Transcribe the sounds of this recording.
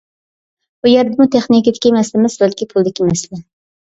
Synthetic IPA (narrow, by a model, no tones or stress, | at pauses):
bujeɾd̪ɪmut̪ʰeχnikʲid̪ɪkʲimɛslɪmɪsbɛlkʲʰipʰulˠd̪ɪkʲimɛslɛ